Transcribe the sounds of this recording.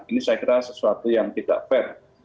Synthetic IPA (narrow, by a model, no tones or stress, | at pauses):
inisajakiɾasəsuat̪ujaŋt̪id̥a̰ʔfɛr